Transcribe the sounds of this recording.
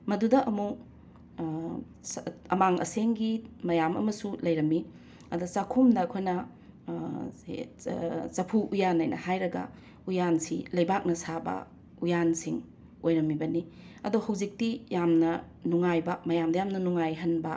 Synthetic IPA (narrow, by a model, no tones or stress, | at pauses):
mɐdudɐʔɐmu | sɐmaŋʔɐ̰seŋɡimɐjamɐ̰mɐsulɐjɾɐmːi | ɐdot͡ʃakʰomdɐːkʰojnɐ | t͡ʃɐpʰuʔujanajnʔɐ̰hajɾɐɡɐ̰ | ujansilɐjbak̚nɐsabɐ̰ | ujansiŋ | ojɾɐmːibɐni | ɐdohɐwzik̚tijamnɐ | nuŋajbɐmɐjamdɐjamnɐnuŋajɦɐnbɐ